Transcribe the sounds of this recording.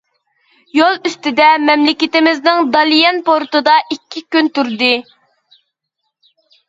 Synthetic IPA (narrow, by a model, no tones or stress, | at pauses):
jolˠyst̪ɪd̪ɛmɛmlɪkʲɪt̪ɪmɪznɪŋd̪ɑlˠijɛnpoɾt̪ɨd̪ɑʔikʲʰːikʲynt̪uɾd̪ɨ